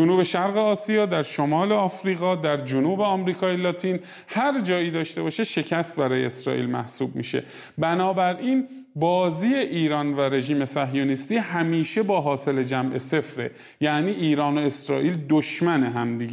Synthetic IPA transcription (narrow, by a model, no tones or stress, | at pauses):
d͡ʒonuːbe̞ʃæɾɣeɒːsijɒːd̪æɾʃomɒːleɒːfɾiːɣɒːd̪æɾd͡ʒonuːbeɒːmɾiːkʰɒːjelɒːt̪ʰiːn | hæɾd͡ʒɒːiːd̪ɒːʃt̪e̞bɒːʃeʃe̞cʰæst̪̚bæɾɒːjḛesɾɒ̰ːʔḭlmæ̰hsuːbmḭːʃe̞̰ | bænɒːbæɾʔiːn | bɒːziːeʔiːɾɒːnvæɾe̞ʒiːme̞sæɦjonist̪iːhæmiːʃebɒːɦɒːse̞le̞d͡ʒæmʔe̞se̞fɾe̞̰ | jæʔniːʔiːɾɒːno̞e̞sɾɒːʔiːld̪oʃmæneɦæmd̪iɡe